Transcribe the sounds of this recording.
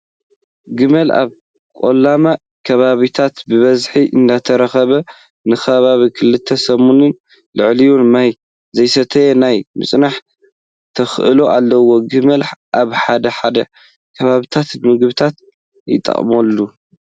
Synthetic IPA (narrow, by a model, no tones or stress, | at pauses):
ɡɨmɐla̰β | kʼo̰lːama | kʰɐβaβit̪ʰat̪bɨβɐzħiʔɨ̰nd̪at̪ʰɐɾɐxɐβɐ | nɨxɐβaβikʰɨlɨt̪ʰːɐsɐmunɨn | lɨʕlijunmaj | zɐjsɐt̪ʰɐjenajmɨ̰sʼnaħ | t̪ʰɐxʔɨloʔalːɐwo̞ɡɨmɐlħʔaβħad̪ɐħad̪ɐ | kʰɐβaβit̪ʰat̪mɨɡβɨt̪ʰat̪ | jɪ̰t̪ʼːɐ̰χʼmolːu